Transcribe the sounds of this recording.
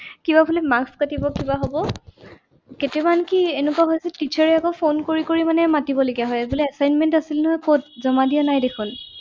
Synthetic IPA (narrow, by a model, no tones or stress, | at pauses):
kibapʰulɛmakskatibɔkibaɦɔbɔ | ketbankienukwaɦojsɛtit͡ʃʰɛɹɛakɔpʰonkoɹikoɹimanɛmatibɔloɡijaɦɔjɛbulɛasajnmɛntasilnɔɦɔjkot̚zɔmadianajdekʰʊn